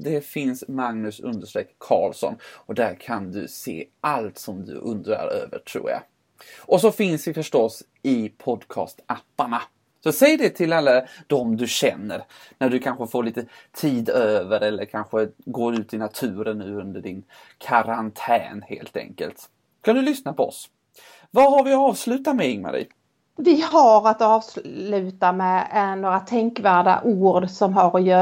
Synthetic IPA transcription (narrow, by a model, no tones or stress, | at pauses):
d̪ɛfɪnsmaŋnɵsɵ̰nd̪əʂʈ̪ɾekkʰːɑ̰ːlsɔ̰nɔd̪æɾkʰand̪ɵsḛːʔalt̪sɔmd̪ɵ̰ʔɵnd̪ɾa̰ɾø̰ːvə̰ʈʰɾṵːɾja̰ | ʔɔs̬ɔfɪnsd̪ɛfœʂʈɔs | ɪpʰɔd̪kʰɑ̰ːst̪ʔɛpːaɳa | sɔsɛjːɖɛt̪ʰɪlalːad̪̥ɔmd̪ɵɕɛnːəɾnæɖɵkʰanɧəfoːɭiːt̪ət̪ʰiːd̪øːvəɾɛlːəɾkʰanɧəɡoːɾʉ̟ːt̪ɪnat̪ʰʉ̟ːɾənːʉ̟ːɵnd̪əɖɪn | kʰaɾant̪ʰɛ̰ːnhḛːlt̪ɛ̰ŋkə̰lt̪ | skad̪ɵlʏsnapʰɔɔ̰s | vaɦaɾvɪɑːvslʉ̟ːt̪at̪mɛɪŋːma̰ɾḭː | vɪhaɾat̪ɑːvslʉ̟ːt̪amɛnoːɾat̪ʰɛŋkvæːɖa̰ʔuːɖsɔmɦaɾɔjœː